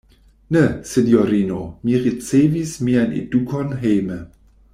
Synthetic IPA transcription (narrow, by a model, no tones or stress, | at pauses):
nesinjoɾinomiʁit͡sevismianḛdukonɦejme